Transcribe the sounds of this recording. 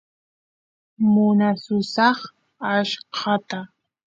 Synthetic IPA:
mʊnasʊsɑχ | aʃqʰɑt̪a

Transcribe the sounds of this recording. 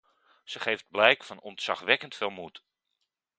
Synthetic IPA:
z̥əχejfd̚blɛjkfɑnɔntsɑχʋɛkəntfɪːlˠmut

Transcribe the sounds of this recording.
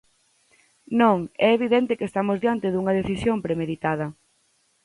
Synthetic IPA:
nõŋɛeβiðɛnt̪ɪkest̪amozðjant̪ɪðuŋɐðeθisjompɾemeðit̪að̞ɐ

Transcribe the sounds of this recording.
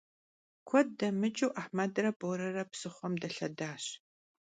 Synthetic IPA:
kʷʰɔd̚dɐmɨt͡ʃʼɨwʔaħmɐdrɐboɾɐrɐpsɨχʷɔmdɐɬɐdaːɕ

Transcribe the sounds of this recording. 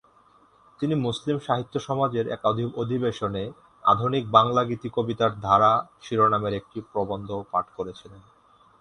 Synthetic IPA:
t̪inimuslimʃaɦit̪ːoʃɔmad͡ʑeɾɛ̰k̪od̪ʱibeʃone | a̰d̪ʱunik̚baŋlaɡit̪ikobit̪aɾd̪ʱaɾaʃiɾonameɾek̚ʈipɾobond̪ʱopaʈʰkoɾet͡ɕʰilen

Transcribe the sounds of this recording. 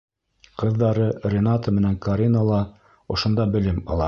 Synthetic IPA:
qɤ̆ðːɑɾɤrʲenat̪əmɘ̆næŋkɐɾʲinəlˠɑ | ŏʃŏnd̪ɑbɘ̆lɘmɑ̰lˠɑ

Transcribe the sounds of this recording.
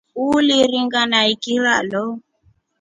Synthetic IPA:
uliriŋɡanaikiɾalɔ

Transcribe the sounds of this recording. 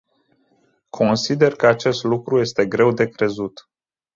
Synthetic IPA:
kʰo̞nsid̪e̞rkəat͡ʃe̞st̪lukɾuje̞st̪e̞ɡɾe̞wd̪e̞kɾe̞zut̪

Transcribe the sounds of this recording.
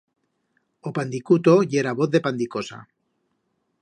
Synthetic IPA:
opand̪ikut̪oʝeɾaβoθðe̞pand̪ikosa̰

